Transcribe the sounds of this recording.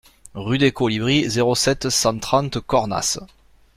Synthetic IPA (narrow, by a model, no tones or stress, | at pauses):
ʁyd̪ekolibʁizeʁosɛt̪sɑ̃t̪χɑ̃nt̪kɔʁna̰s